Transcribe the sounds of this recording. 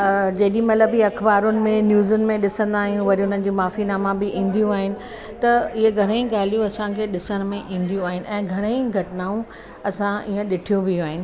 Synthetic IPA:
d͡ʑɐːɗimɐt̪ləbɦiɐkʰbaːɾʊnɪ̆mẽnjuːzʊnɪ̆mẽɗɪsə̃nd̪aːɦijũʋɐɾiʊn̤ən̆d͡ʑiːmaːfinaːmabɪʔĩːnd̪ijũaːɦɪnɪ̆ | t̪ɐɪɦeɡʱɐɽ̃ẽĩɡaːl̤ijũɐsãkʰeːɗɪsəɽ̃mẽʔĩːn̆d̪ijũaːɦɪnɪ̆ʔɛ̃ːɡʱɐɽ̃eɡʱɐʈɪnaːũ | ɐsãiːə̃ɗɪʈʰijũbɪuaːɦɪnɪ̆

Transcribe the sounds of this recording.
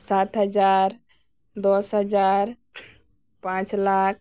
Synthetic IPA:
sat̪ɦəd͡ʒaɾ | d̪ɔsɦəd͡ʒaɾ | pãt͡ʃlak̚ʰ

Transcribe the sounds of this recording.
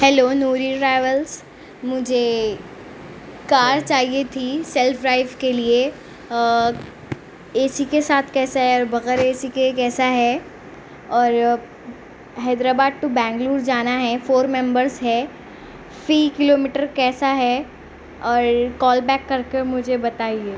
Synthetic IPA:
hɛloːnuːɾiɾaːɪʋəls | mʊd͡ʒʱe | kaːɾt͡ʃaːɦiet̪ʰisɛlfʰɾaːɪfkelie | eːsikesaːt̪ʰkɛːsaɦɛɔːɾbɐɣɛːɾeːsikekɛːsaɦɛ | ɔːɾ | ɦɛːd̪ɾaːbaːd̪̚t̪ubɛ̃ːŋɡluːɾd͡ʒaːnaɦɛfoːɾmɛ̃mbəɾzɦɛ | fiːkɪloːmiʈəɾkɛːsaɦɛ | ɔːɾkɔːlbɛːkːɐɾkemʊd͡ʒʱebɐt̪aːieː

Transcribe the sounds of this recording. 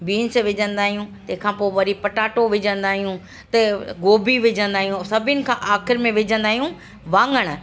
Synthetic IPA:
biːnsʋɪd͡ʑə̃nd̪aːɦijũt̪ɐ̃ɦkʰãːpoːʋɐɾipɐʈaːʈoʋɪd͡ʑə̃nd̪aːɦijũ | t̪ɐɡoːbiʋɪd͡ʑʱə̃nd̪aːɦijũsɐbʱɪnɪ̆kʰãːʔaːxɪɾmẽʋɪd͡ʑʱə̃nd̪aːɦijũ | ʋãːŋɡəɽ̃ə̆

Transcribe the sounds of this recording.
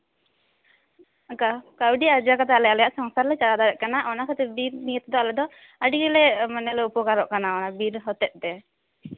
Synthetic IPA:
kakawɖiad͡ʒakat̪alɛalɛjaʔsɔŋsaɾlɛt͡ʃalad̪aɾɛʔ̚kanaʔɔnakɔt̪ɛbiɾnijət̪d̪ɔalɛd̪ɔ | əɖiɡɛlɛmənɛlɛupɔkaɾɔʔkanaɔnabiɾɦɔt̪ɛʔ̪̚ˀt̪ɛ

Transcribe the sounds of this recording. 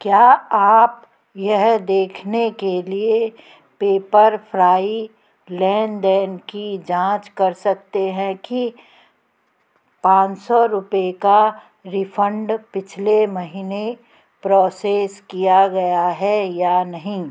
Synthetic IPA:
kjaːaːp | jɛɦd̪eːkʰnekelie | peːpəɾpʰɾaːi | lɛːnɖ̪ɛːnkid͡ʒãːt͡ʃkɐɾsɐk̚t̪eɦɛ̃ki | pãːt͡ʃsɔɾʊpeka | ɾipʰə̃ɳɖpɪt͡ʃʰlemɐɦiːne | pɾɔːseːskijaɡɐjaɦɛjanɐɦĩ

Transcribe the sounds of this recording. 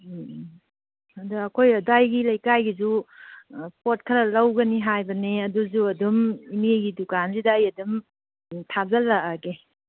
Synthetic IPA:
ɐduɐkʰojɐdajɡilɐjkajɡizu | pʰot̚kʰɐɾɐlɐwɡɐniɦajbɐneɐduzuɐdumimeɡidukansidaːjɐdum | tʰab̚zɐlaaɡe

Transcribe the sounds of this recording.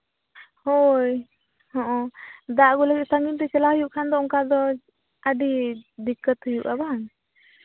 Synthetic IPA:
hoj | hɔ̃ʔɔ̃d̪aʔɡuləɡit̪̚saŋɡint̪ɛt͡ʃɛlahujuʔkʰand̪ɔɔŋkad̪ɔ | əɖid̪ikːət̪hujuʔaban

